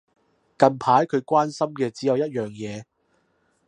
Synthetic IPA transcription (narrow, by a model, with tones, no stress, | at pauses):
kɐ˨˧npʰaː˨˥jkʰɵ˨˧ɥkʷaː˥nsɐ˥mkɛː˧t͡siː˨˦jɐ˨˧wjɐ˥t̚jœː˨ŋjɛː˨˧